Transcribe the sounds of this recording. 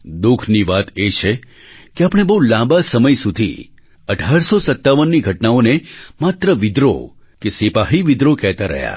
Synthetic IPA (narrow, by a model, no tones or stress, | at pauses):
d̪ukʰniʋat̪et͡ʃʰe | keapəɽ̃ebəulãmbasəməjsud̪ʱḭ | əʈʰaɾsosət̪ːaʋənːiɡʱəʈnaonemat̪ɾəʋɪd̪ɾo̰ | kesipaɦiʋɪd̪ɾokɛɦt̪aɾə̰ɦja̰